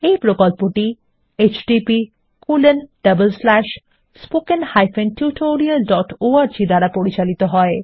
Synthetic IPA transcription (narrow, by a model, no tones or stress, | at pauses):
ejpɾokolpoʈi | et͡ɕɖipi | kulenɖ̥ɐbəlslɛʃ | spokenhajfenʈʰjuʈʰoɾialɖɔʈoaɾd͡ʑid̪aɾapoɾit͡ɕalit̪oɦɔe